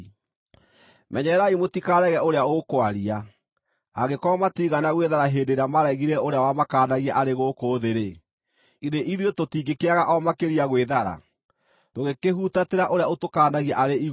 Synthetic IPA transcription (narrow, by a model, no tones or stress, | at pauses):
mɛɲɛɾaimotikaɾɛɣɛoɾeaokoaɾiaː | ɣɡekɔmatiɣanaɣweðaɾaɦeːndeɾamaɾɛɣiɾɛoɾeawamakaːnaɣiaʔaɾeɣokoːðeɾe | iðeʔiðwetotiɡekeaɣaʔɔmakeɾiaɣweðaɾa̰ | toɣekeɦutateɾaʔoɾeaotokaːnaɣiaʔaɾei